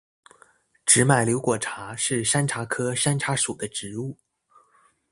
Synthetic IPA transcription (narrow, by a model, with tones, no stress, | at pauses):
ʈ͡ʂɻ̩˧˥ma˨˩ɪljo˧˥ʊkwɔ˨˩ʈ͡ʂʰa˧˥ʂɻ̩˥˩ʂa˥nʈ͡ʂʰa˧˥kʰɤ˥ʂa˥nʈ͡ʂʰa˧˥ʂu˨˩d̪ə˦ʈ͡ʂɻ̩˧˥u˥˩